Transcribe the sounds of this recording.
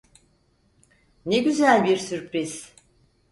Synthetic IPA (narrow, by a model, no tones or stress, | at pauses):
neɟyzælʲbiɾsyɾpɾiz̥